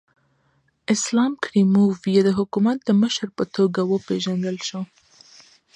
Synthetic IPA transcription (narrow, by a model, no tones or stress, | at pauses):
ɪslɑmkɾimuvijed̪əɦʊkumat̪̚d̪əməʃɾpət̪oɡawəpeʒand̪əlʃo